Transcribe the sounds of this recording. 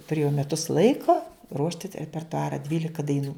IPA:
tʊˈrʲeːjɛʊ mʲɛˈtʊs ˈlˠɐɪkoː ˈruɔʃʲtʲɪ tɐ rʲɛpʲɛrtʊˈɑːrɐ ˈdʲʋʲiːlʲɪkɐ dɐɪˈnuː

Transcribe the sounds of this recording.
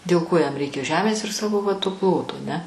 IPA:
dʲeːlˠ ˈkoː jɛm ˈrʲɛɪkʲɛ ˈʒʲæːmʲeːs ɪr ˈsɑːʋoː ʋɐ toː ˈplˠoːtoː ɐˈnʲɛ

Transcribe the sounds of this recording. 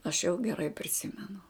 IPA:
ɐʃ jɛʊ ɡʲɛˈrɐɪ pʲrʲɪˈsʲɪmʲɛnʊ

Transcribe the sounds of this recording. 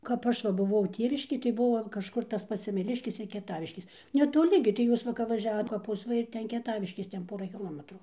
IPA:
kɐp ˈɐʃ ʋɐ bʊˈʋɐʊ ˈtʲeːʋʲɪʃʲkʲeːj tɐɪ ˈbʊʋoː kɐʃˈkʊr tɐs ˈpɐts sʲɛmʲɛˈlʲɪʃʲkʲeːs ɪr kʲiɛˈtɑːʋʲɪʃʲkʲeːs nʲɛtoːˈlʲɪ ɡʲɪ tɐɪ ˈjuːs ˈʋɐ kɐp ʋɐˈʒʲæːʋoːt kɐˈpʊs ˈʋɐ ɪr ˈtʲɛn kʲiɛˈtɑːʋʲɪʃʲkʲeːs ˈtʲɛn ˈpoːrɐ kʲɪˈlˠoːmʲɛtrʊ

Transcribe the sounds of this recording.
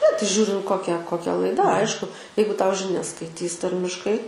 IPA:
nʲɛ tɐɪ ˈʒʲuːrʲɪnt ˈkoːkʲɛ koːˈkʲɛ lˠɐɪˈdɐ ˈɐɪʃkʊ ˈjɛɪɡʊ ˈtɐʊ ʒʲɪˈnʲɛs skɐɪˈtʲiːs ˈtɐrʲmʲɪʃkɐɪ

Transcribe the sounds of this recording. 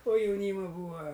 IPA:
oː jɛʊˈnʲiːmɐ ˈbuːɐ

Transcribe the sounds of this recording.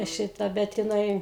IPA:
ˈʃʲɪtɐ ˈbʲɛt jɪˈnɐɪ

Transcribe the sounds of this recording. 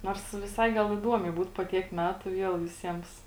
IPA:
ˈnoːrs ʋʲɪˈsɐɪ ˈɡɐlˠ ɪˈduɔmʲɛɪ ˈbuːt poː ˈtʲiɛk ˈmʲæːtʊ ˈʋʲiɛlˠ ʋʲɪˈsʲiɛms

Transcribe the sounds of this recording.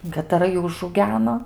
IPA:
kɐtɐˈrɐ ˈjuː ʊʒɐʊˈɡʲæːnoː

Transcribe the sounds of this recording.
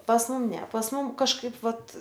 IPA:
pɐs ˈmʊm nʲɛ pɐs ˈmʊm kɐʃˈkɐɪp ˈʋɐt

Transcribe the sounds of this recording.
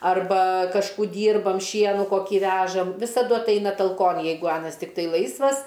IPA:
ɐrˈbɐ kɐʃˈkuː ˈdʲiːrbɐm ˈʃʲiɛnʊ koːˈkʲiː ˈʋʲæːʒɐm ʋʲɪsɐˈdʊ ɐtˈɐɪnɐ tɐlˠˈkoːn ˈjɛɪɡʊ ˈɑːnɐs tʲɪkˈtɐɪ ˈlˠɐɪsʋɐs

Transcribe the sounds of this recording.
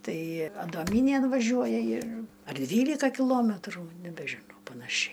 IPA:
ˈtɐɪ ɐdoːˈmʲiːnʲeːn ʋɐˈʒʲuɔjɛ ɪr ɐr ˈdʲʋʲiːlʲɪkɐ kʲɪˈlˠoːmʲɛtruː nʲɛbʲɛʒʲɪˈnɐʊ pɐnɐˈʃʲɛɪ

